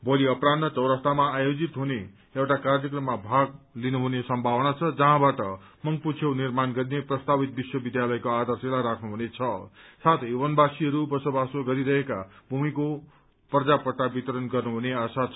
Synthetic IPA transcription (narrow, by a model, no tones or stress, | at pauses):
boliʌpɾannʌt͡sʌwɾʌst̪amaːjod͡zit̪ɦune | ewʈakarjʌkrʌmːabʱaɡlinuɦunesʌmbʱawʌnat͡sʰʌd͡zʌɦãbaʈʌ | mʌŋɡput͡sʰjewnirmanɡʌɾineprʌst̪abit̪̚biswʌbid̪jalʌjkoad̪ʌrselaɾakʰnuɦunet͡sʰʌsat̪ʰewʌnbasiɦʌɾubʌsobasoɡʌɾiɾʌɦekabʱumiko | prʌd͡zapʌʈːabit̪ʌɾʌnɡʌrnuɦuneasat͡sʰ